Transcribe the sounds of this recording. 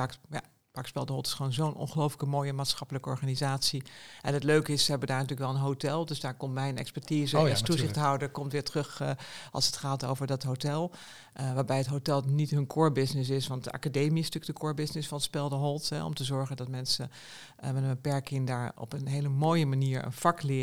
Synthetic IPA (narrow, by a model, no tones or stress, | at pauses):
akja̰ | bakspɛlˠdəɦɔlˠtɪ̥sχʋoːnzownʔɔ̰nχəlowfləkəmoːjəmaːtsχɑpələkəɔ̰ɹχanizaːtsiʔɛnətløɥkɪssəɦɛbəndaːɹnɑtyːləkʋɛlˠənɦotɛlˠdøsdaːɹkɔmtmɛjnɛ̰kspɛɹtiːzəstuzɪχtɦɑwdəkɔmtʋɪːɹtərɵχʔɑ̰lˠsətχaːto̰wvəɹdɑtɦowtɛlˠ | ʋaːɹbɛjətɦowtɛlˠnitɦɵnkʰʊːɹbɪsnɪs̬ɪsʋɑnta̰kadejmistyːək̚dəkʰʊːɹbɪsnɪsfɑnspɛlˠdəɦɔlˠtɦɛ̰ɔ̰mtəzɔɹχəndɑtmɛnsə | mɛnənbəpɛɹkɪŋdaːɹɔ̰pənɦejləmoːjəmaniːɹə̰nfɑklɪ